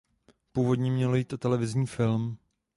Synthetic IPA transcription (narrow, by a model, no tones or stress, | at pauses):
puːvo̞dɲɛmɲɛlo̞jiːt̪ʔot̪ɛlɛvɪzɲiːfɪlm